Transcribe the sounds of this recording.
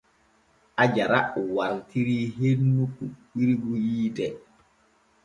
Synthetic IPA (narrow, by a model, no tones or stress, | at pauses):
ʔad͡ʒaɾawaɾtiɾiːɦenːukuɓiɾiɡujiːdɛ